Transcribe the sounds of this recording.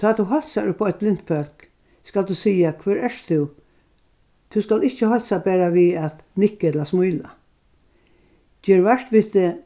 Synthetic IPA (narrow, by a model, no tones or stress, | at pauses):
t̪ʰaːt̪ʰːuɦɔlsaʊpʰːɔʏt̪̚blɪn̥t̪fœl̥k | skald̪usiːakʰʋɛːɹɛʂt̪ʰʊ | t̪ʰuskalɪht͡ʃːəhɔlsabæːɾaʋiat̪nɪhkːɛt̪lasmujla̰ | d͡ʒɛːɹʋɛʂt̪ʋɪt̪ɪ